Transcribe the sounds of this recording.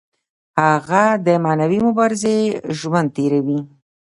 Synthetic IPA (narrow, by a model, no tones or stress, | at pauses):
haɣad̪əmɑnawimʊbɑɾɪzeʒwand̪̚t̪eɾawi